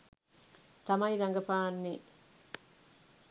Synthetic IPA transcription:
t̪ɐmɐjɾɐŋɡɐpaːnːe

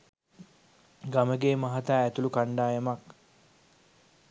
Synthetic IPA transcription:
ɡaməɡeːmaɦat̪aːæt̪ulukaɳɖaːjəmak

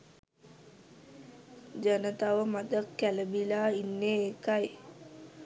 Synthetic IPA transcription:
d͡ʒənət̪aʋəmad̪əkːæləbilaːinːeːkaj

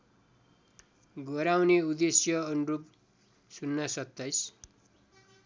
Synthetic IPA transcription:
ɡʌɾawneud̪esjʌːnurup̚ | sunːʌsʌk̚t̪ʌjs

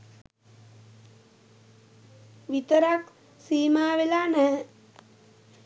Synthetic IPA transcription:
ʋit̪əɾak | siːmaːʋelanə

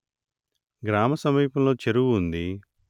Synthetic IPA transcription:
ɡɾaːmɐsɐmiːpɐmlo̞ːt͡ʃeɾuɡuund̪i

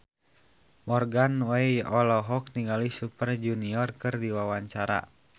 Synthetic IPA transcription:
mɔrɡanwaiɔlɔɦɔk̚niŋɡalisupərd͡ʒuniɔrkɨrdiwawaɲt͡ʃaɾa̰

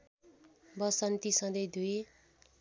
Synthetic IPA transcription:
bʌsʌnt̪isʌ̃d̪ʌjd̪ue

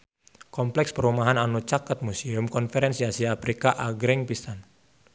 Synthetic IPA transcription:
kɔmplɛkspəɾumaɦananut͡ʃakət̪̚musiʊmkɔnfɛɾɛnsiasiaːpɾikaʔaɡɾɪŋpisan

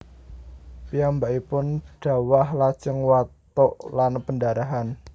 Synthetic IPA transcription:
piambaʔipʊnɖ̥ä̤wahlḁt͡ʃəŋwat̪ɔʔlanpəndaɾaɦan

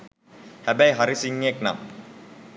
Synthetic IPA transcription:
hæbæjɦaɾisiŋːekna̰ŋ

